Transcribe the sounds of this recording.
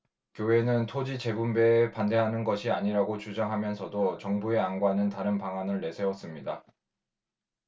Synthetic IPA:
kjowe̞nɯntʰod͡ʑit͡ɕe̞bumbe̞ːpande̞ɦanɯnɡʌɕʰiaɲiɾaɡot͡ɕud͡ʑaŋɦamjʌnsʰʌdot͡ɕʌŋbue̞anɡwanɯntaɾɯnpaŋanɯɭːe̞sʰe̞wʌs͈ɯmɲida

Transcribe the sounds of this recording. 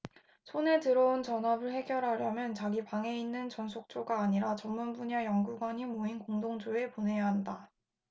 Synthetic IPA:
sʰone̞tɯɾʌunt͡ɕʌnabɯɭhe̞ɡjʌɾɦaɾjʌmjʌnt͡ɕaɡipaŋe̞inːɯnt͡ɕʌnsʰok̚t͡ɕ͈oɡaːɲiɾat͡ɕʌmːunbuɲajʌŋɡuɡwaɲimoinkoŋdoŋd͡ʑoe̞pone̞jaɦanda

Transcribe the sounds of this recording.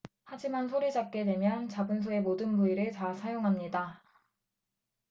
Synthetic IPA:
had͡ʑimansʰoɾid͡ʑap̚k͈e̞dwe̞mjʌnt͡ɕabɯns̬ʰoe̞modɯnbuiɾɯɭtasʰajoŋɦamɲida

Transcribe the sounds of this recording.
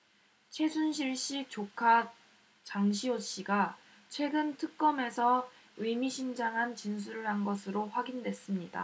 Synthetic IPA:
t͡ɕʰwe̞d͡ʑunɕʰiɭɕ͈it͡ɕokʰa | t͡ɕaŋɕʰioɕ͈iɡa | t͡ɕʰwe̞ɡɯntʰɯk̚k͈ʌme̞sʰʌ | ɯmiɕʰind͡ʑaŋɦant͡ɕins̬ʰuɾɯɭɦanɡʌsʰɯɾoɸwaɡindwe̞s͈ɯmɲida̰

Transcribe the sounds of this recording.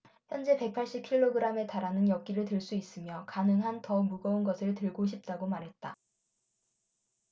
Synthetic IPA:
çjʌnd͡ʑe̞pe̞k̚pʰaɭɕ͈ip̚kʰiɭːoɡɯɾame̞taɾanɯnjʌk͈̚iɾɯɭtɯɭs͈uis͈ɯmjʌkanɯŋɦantʌmuɡʌunɡʌsʰɯɭtɯɭɡoɕ̬ʰip̚t͈aɡomaɾɦe̞t̚t͈a

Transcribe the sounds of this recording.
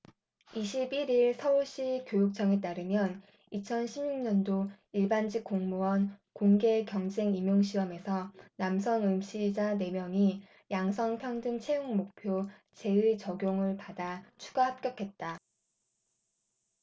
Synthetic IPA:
iɕʰibiɾiɭsʰʌuɭɕ͈ikjojuk̚t͡ɕ͈ʰʌŋe̞t̬͈aɾɯmjʌn | it͡ɕʰʌnɕʰimɲuŋɲʌndo | iɭband͡ʑik͈oŋmuwʌnkoŋɡe̞kjʌŋd͡ʑe̞ŋimjoŋɕʰiwʌme̞sʰʌnamsʰʌnɯmɕ͈id͡ʑane̞mjʌŋi | jaŋsʰʌŋpʰjʌŋdɯŋt͡ɕʰe̞juŋmok̚pʰjo | t͡ɕe̞ɯt͡ɕʌɡʲjoŋɯɭpadat͡ɕʰu̥ɡaɦap̚k͈jʌkʰe̞t̚t͈a

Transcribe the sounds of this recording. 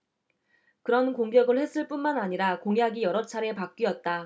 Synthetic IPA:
kɯɾʌnkoŋɡjʌɡɯɭhe̞s͈ʰɯɭp͈unmanaɲiɾakoŋjaɡijʌɾʌt͡ɕʰaɾe̞pak̚k͈iʌt̚t͈a

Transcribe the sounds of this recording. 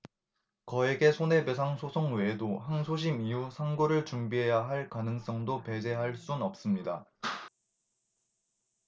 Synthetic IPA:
kʌeɡe̞sʰone̞besʰaŋsʰosʰoŋwe̞ːdoɦansʰoɕ̬ʰimiusʰaŋɡoɾɯɭt͡ɕuŋbiɦe̞jaɦaɭkanɯŋs͈ʌŋdope̞d͡ʑe̞ɦaɭs͈unʌp̚s͈ɯmɲida

